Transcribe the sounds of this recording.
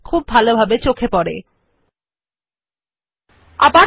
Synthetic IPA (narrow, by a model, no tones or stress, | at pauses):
kʰub̚ːʱalobʱabet͡ɕokʰepɔɾḛ | a̰ba